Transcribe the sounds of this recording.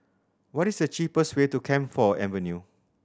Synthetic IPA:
wɔtisdət͡ʃipəswetukʰɛ̃mfɔɛ̰̃mvənju

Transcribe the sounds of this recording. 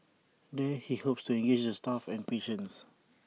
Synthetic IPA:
dɛhihopstuɛ̃ŋɡed͡ʒdəstafɛ̃npeʃə̃ns

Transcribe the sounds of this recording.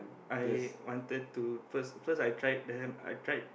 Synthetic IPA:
ajwɔ̃ntɛd̚tufəsfəsajtʰɹajt̚dɛ̃na̰jtɹajt̚

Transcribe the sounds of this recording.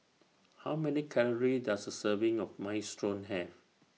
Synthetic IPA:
hawmɛnikʰɛləɹidasdəsəvɪ̃ŋɔfmaɪstʰɹõnɦɛf

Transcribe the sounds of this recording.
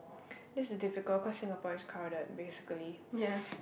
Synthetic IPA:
dɪssədɪfɪkəl̚kʰɔsɪ̃ŋəpɔ̃jskʰaʊdət̚besɪ̥kəlija

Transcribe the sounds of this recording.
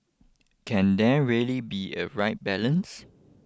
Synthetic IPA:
kʰɛ̃ndɛɹiəlibiə̰ɹaɪt̚bɛlə̃ns

